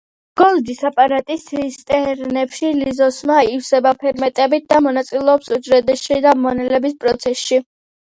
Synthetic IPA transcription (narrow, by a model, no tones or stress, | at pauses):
ɡ̥ɔlˠd̪isapʼaɾat̪ʼisʰist̪ʼɛɾnɛpʃilizɔsmaifsɛbapʰɛɾmɛt̪ʼɛbit̪̚ʰd̪amɔnat̪sʼilɛɔpsud͡ʒɾɛd̪ɛsʃid̪amɔnɛlɛbispʼɾɔt̪sʰɛsʃi